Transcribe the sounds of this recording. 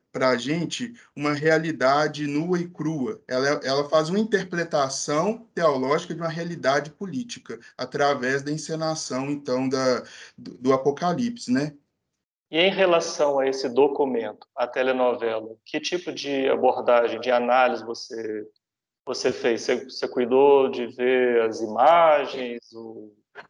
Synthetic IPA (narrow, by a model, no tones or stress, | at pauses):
pɾɐʒẽt͡ʃɪ | ũmɐɦealid̪ad͡ʒɪnuɐɪkɾuɐɛlɐɛʔɛlɐfazũmɐĩnt̪eɾpɾet̪asɐ̃w̃t̪eɔlɔʒikɐd͡ʒɪũmɐɦealid̪ad͡ʒɪpulit͡ʃikɐat̪ɾavɛzd̪ɐĩsenasɐ̃w̃ẽnt̪ɐ̃w̃d̪ɐd̪ʊd̪ʊapokalipsɪ̥nɛ | ɪẽj̃ɦelasɐ̃w̃ɐesɪd̪okumẽnt̪ʊ̥ɐt̪elenɔvɛlɐkʰɪt͡ʃipʊd͡ʒɪa̰boɾd̪aʒẽj̃d͡ʒɪanalizɪvose | vosefejssesekujd̪od͡ʒɪveɐzimaʒẽj̃zo